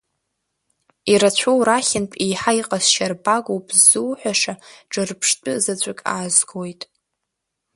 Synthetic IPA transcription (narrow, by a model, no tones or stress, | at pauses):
iɾat͡ɕʷʰowɾaχʲɪnpʼijħaiqʼasʃarbaɡʷowpʼzɨwħʷaʂaʈ͡ʂʼɨrpʰʂtʷʼʊzat͡ɕʷʼakʲʼa̰ːzɡojtʼ